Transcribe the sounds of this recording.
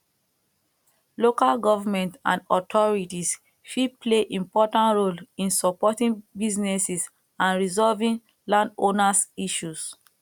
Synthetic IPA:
lokalɡɔvamɛ̃ntã̰ndɔtʰɔɹitis | fipleʔĩmpɔtãntɹolĩnsɔpɔtĩŋbiznɛsis | ãnɹizɔlvĩŋ | lãndonasiʃus

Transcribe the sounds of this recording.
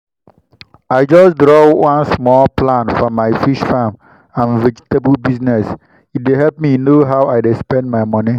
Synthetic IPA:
ajd͡ʒasdɹɔwãnsmɔlplãnfɔmajfiʃfãm | ãnvɛd͡ʒitəbəlbisnɛs | it̚deɦɛlp̚minoɦawajdespɛ̃ndmajmɔnĩ

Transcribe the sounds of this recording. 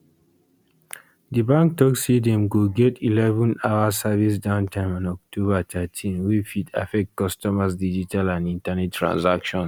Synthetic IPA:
dibãŋk̚tɔksidiɛ̃mɡoɡɛtʰilɛvɔ̃naʊasavis̬dãʊ̃ntʰãɪ̃mɔ̃nɔk̚tʰobatʰɛtʰĩnwifitʰa̰fɛk̚t̚kɔstɔmasdid͡ʒitʰalãnĩntanɛtʰːɹã̰nsakʃɔ̃n

